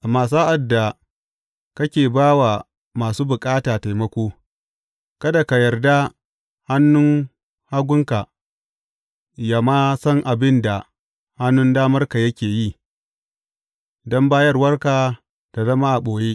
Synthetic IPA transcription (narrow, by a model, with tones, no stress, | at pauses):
ʔa˨maː˨s̬aː˦ʔa˨dːa˨ | kɐ˦kʲeː˨baː˦wa˨ | maː˨suː˦bʊ˨kʼaː˦taː˨ta˨jmɐ˦kʷoː˦ | kɐ˦da˨ka˨jɐ˨rda˦ | ha˦nːʊ˦ŋ | ha˦ɡʷʊ˦ŋka˨ | ja˨maː˦sɐ˦ŋʔa˨bɪ˦nda˨ | ha˦nːʊ˦ndaː˦mɐ˦rka˨jɐ˦kʲeː˨ji˦ | dɔ˦mbaː˦jɐ˦rwɐ˦rkaː˨ | d̥a˨dɐ˦maː˦ʔa˨ɓoː˨jeː˦